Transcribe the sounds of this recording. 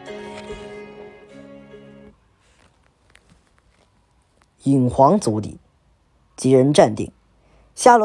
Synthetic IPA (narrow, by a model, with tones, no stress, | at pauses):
i˨˩ŋxwɑ˧˥ŋt͡su˧˥t̪ḭ˨˩˦ | t͡ɕi˧˥ɻə˧˥nʈ͡ʂa˥˧nt̪ḭ˥˩ŋ | ɕja˥˩l